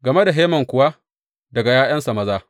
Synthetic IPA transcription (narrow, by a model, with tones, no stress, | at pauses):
ɡɐ˨me˦da˨ɦeː˦mɐ˨ŋkʷʊ˨wa˦ | dɐ˨ɡa˨jaː˦jɐ˦nsa˨mɐ˦zaː˦